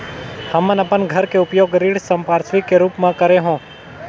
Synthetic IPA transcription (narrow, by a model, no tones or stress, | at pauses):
həmə̃nəpənɡʱəɾkeʊpjoːɡɾiɽsəmpaɾsʰʋikːeɾuːpmãkəɾeɦõː